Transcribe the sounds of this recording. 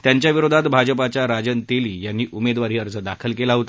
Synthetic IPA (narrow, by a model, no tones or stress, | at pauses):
t̪jaɲt͡ɕjaʋiɾod̪ʱat̪bʱad͡ʑəpat͡ɕaɾad͡ʑənt̪eliːjanːiːʔumed̪ʋaɾiːəɾt͡səd̪a̰kʰəlkelaɦot̪a